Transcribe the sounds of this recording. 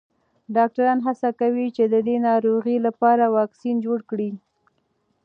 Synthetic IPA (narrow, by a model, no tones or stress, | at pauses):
ɖɑk̚ʈaɾɑnɦasakawit͡ʃed̪əd̪enɑɾoɣilapɑɾawɑksind͡ʒoɽkɽi